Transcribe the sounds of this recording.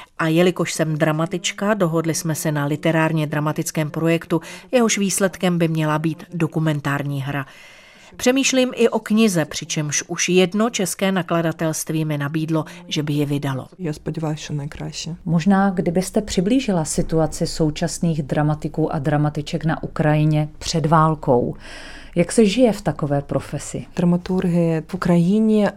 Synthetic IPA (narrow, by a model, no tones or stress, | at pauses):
ʔajɛlɪko̞ʃsɛmdɾamat̪ɪt͡ʃkado̞ɦo̞dlɪsmɛsɛnalɪt̪ɛɾaːɾɲɛd̪ɾamat̪ɪt͡skɛːmpɾo̞jɛkt̪ujɛɦo̞ʃviːslɛt̪kɛmbɪmɲɛlabiːt̪do̞kumɛnt̪aːɾɲiːɦɾa | pr̝̥ɛmiːʃliːmʔɪʔo̞kɲɪzɛpr̝̥ɪt͡ʃɛmʃʔuʃjɛdno̞t͡ʃɛskɛːnakladat̪ɛlst̪viːmɪnabiːdlo̞ʒɛbɪjɪvɪdalo̰jaːspodʲiʋalt͡ʃonajkɾaːʃɛmoʒnaːɡdɪbɪst̪ɛpr̝̥ɪbliːʒɪlasɪt̪uat͡sɪso̞wt͡ʃasniːɣdɾamat̪ɪkuːʔa̰dɾamat̪ɪt͡ʃɛkna̰ʔukɾajɪɲɛpr̝̥ɛdvaːlko̞̰w | jaksɛʒɪjɛft̪akovɛːpɾo̞fɛsɪd̥̪ɾamat̪uɾɦɪɛfukɾajɪɲɛ